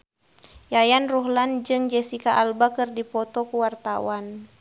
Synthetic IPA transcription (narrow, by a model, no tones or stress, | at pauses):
jajanruɦland͡ʒɨŋd͡ʒɛsikaʔalbakərdipɔt̪ɔkuwart̪awan